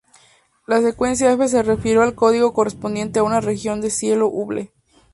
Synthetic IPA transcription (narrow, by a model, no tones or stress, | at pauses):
lase̞kwe̞ns̬jaefe̞s̬e̞refiɾjoalko̞ðiɣo̞ko̞respond̪je̞nt̪e̞aunare̞xjo̞nd̪e̞sje̞loʔuβle